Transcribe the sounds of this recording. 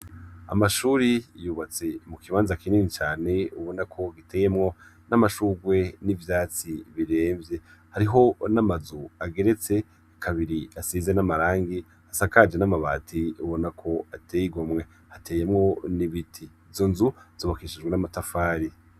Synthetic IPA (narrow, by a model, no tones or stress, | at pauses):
a̰maʃuɾijuβat͡se̞mukiβaːnzakininit͡ʃaːne̞uβonakʰo̞ɡiteːje̞mŋo̞ | namaʃuɡwe̞nivjaːt͡siβiɾe̞ːmvje̞haɾiɦo̞namazuaɡe̞ɾe̞t͡se̞ | kʰaβiɾiasizenamaɾaːŋɡi | hasakad͡ʒenamaβa̰ːtʰiuβo̞nakʰo̞atʰejiɡomŋe̞ | hatʰejemŋo̞niβitʰi | vzonzuz̥oːβakiʃid͡ʒɡwenamatafaːɾi